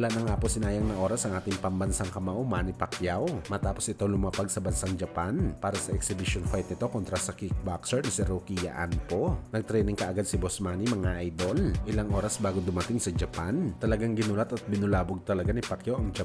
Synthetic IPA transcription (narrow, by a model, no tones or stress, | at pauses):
lanɐŋaːposɪnaːjɐŋnɐʔo̞ːɾɐsʔɐŋʔaːt̪ɪŋpɐmbɐnsaŋkɐmaʔʊmanipɐkjawmɐt̪aːposʔɪt̪olʊmapaɡ̚sɐbɐnsaŋd͡ʒɐpanpaːɾɐsɐʔɛksɪbɪʃonfajt̪̚nɪt̪o̞kont̪ɾasɐkik̚baksɛɹnɐsɪɾokija̰ʔa̰nponɐɡ̚t̪ɾɛjnɪŋkɐʔɐɡad̪sɪbosmaːnimɐŋaʔajd̪o̞lʔɪlaŋʔo̞ːɾɐsbaːɡod̪ʊmɐt̪ɪŋsɐd͡ʒɐpant̪ɐlɐɡaŋɡɪnulɐt̪ɐt̪̚bɪnʊlaːboɡ̚t̪ɐlɐɡanɪpɐkjawʔɐŋd͡ʒɐ